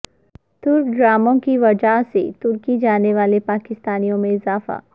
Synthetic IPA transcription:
t̪ʊɾk̚ɖɾaːmõkiʋɐd͡ʒaɦset̪ʊɾkid͡ʒaːneʋaːlepaːkɪst̪aːnijõmẽɪzaːfa̰ː

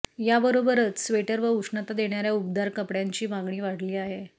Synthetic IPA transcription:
jabəɾobəɾət̪sʋeʈəɾʋəuʂɳat̪ad̪eɳjaɾjaup̚d̪aɾkəpɽjaɲt͡ɕiːbaɡɳiːʋaɽ̤liːaɦe

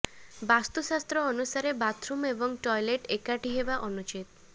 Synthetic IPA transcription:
bast̪usast̪ɾɔːnusaɾebat̪ʰɾumebɔŋʈɔjleʈekaʈiɦebaʔɔnut͡ʃit̪

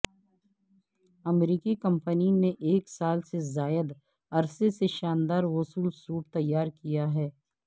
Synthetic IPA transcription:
ɐmɾiːkikə̃mpənineʔeːksaːlsezaːjəd̪ | ɐɾseseʃaːnd̪aːɾwʊsuːlsuːʈt̪ɐjːaːɾkijaɦɛː

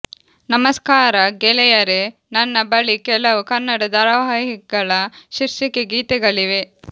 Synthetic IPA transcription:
nɐmɐskaːɾɐɡɛlɛjɐɾe | nɐnːɐbɐɭikɛlɐʋukɐnːɐɽɐd̪ɐɾɐʋɦɐɦiɡɐɭɐʃiɾʃikeɡiːt̪ɛɡɐɭiʋe

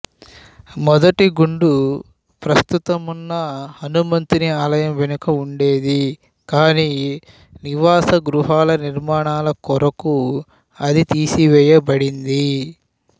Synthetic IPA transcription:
mɔd̪ɐʈiɡuɳɖu | pɾɐst̪ut̪ɐmunːɐhɐnumɐnt̪iniaːlɐjɐmʋenukɐuɳɖe̞ːd̪i | kaːniː | niʋaːsɐɡɾuɦaːlɐniɾmaːɳaːlɐkɔɾɐku | ɐd̪it̪iːsiʋɛːjɐbɐɽind̪i

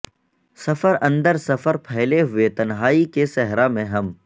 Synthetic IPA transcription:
sɐfəɾɐ̃nd̪əɾsɐfəɾpʰɛɦleɦʊet̪ɐnɦaːikesɛɦɾamẽɦɐm

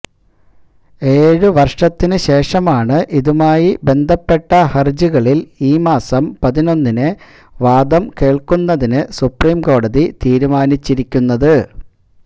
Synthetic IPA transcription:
e̞ːɻɨʋɐrʂɐt̪ːinɨɕe̞ːʂɐmaːɳɨʔiðumaːjibe̞nd̪ʱɐpːe̞ʈːɐhɐrd͡ʑuɣɐɭiliːmaːsɐmpɐðino̞nːinɨ | ʋaːd̪ɐmke̞ːɭkunːɐðinɨsupriːmko̞ːɽɐðit̪iːɾumaːnit͡ɕːiɾikʲːunːɐðɨ

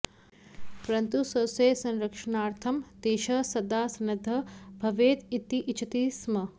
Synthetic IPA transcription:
pɐɾɐnt̪usɐseːsɐ̃nɾɐkʂɐnaːɾt̪ʰɐmd̪eːʃɐsɐd̪aːsɐnɐd̪ʱːɐbʱɐʋeːt̪it̪ːiʔit͡ʃʰɐt̪iːsmɐ

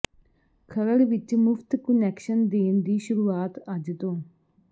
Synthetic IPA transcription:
kʰəɾəɽʋɪt͡ʃmʊft̪kʊnɛːkʃənd̪eːnd̪iːʃʊɾuːaːt̪əd͡ʒt̪õː

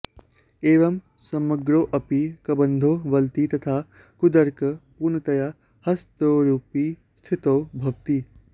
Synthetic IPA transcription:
eːʋɐm | sɐmɐɡɾoːʔɐpikɐbɐnd̪ʱoːʋɐlt̪it̪ɐt̪ʰaː | kʊd̪ɐɾkɐpuːɾnɐt̪ɐjaː | hɐst̪oːɾuːpiː | st̪ʰɪt̪oːbʱɐʋt̪iː

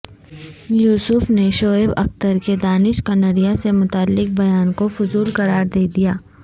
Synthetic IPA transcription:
juːsʊfneʃoːɪbɐ̰xt̪əɾked̪aːnɪʃkɐnəɾijasemʊt̪alːɪk̚bɐjaːnkofʊzuːlkɐɾaːɾd̪eːd̪ijaː

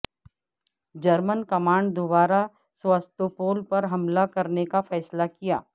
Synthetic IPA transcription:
d͡ʒɐɾmənkɐmaːɳɖd̪obaːɾa | swaːst̪opoːlpɐɾɦɐmlakɐɾnekafɛːslakija̰ː

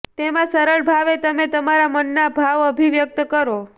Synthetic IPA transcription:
t̪emãsəɾəɭbʱaʋet̪əmet̪əmaɾamənːabʱaʋəbʱiʋjək̚t̪kəɾo

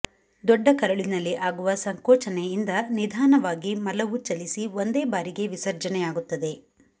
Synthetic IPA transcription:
d̪ɔɖːɐkɐɾɐɭinɐlːiʔaːɡuʋɐsɐŋkɔːt͡ʃɐneind̪ɐnid̪ʱaːnɐʋaːɡimɐlɐʋut͡ʃɐlisiʋond̪eːbaːɾiɡe̞ʋisɐɾd͡ʒɐnɛjaːɡut̪ːɐd̪e̞

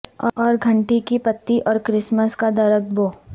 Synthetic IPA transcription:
ɔːɾɡʱɐ̃ɳʈikipɐt̪ːiʔɔːɾkɾɪsməskad̪ɐɾək̚boː

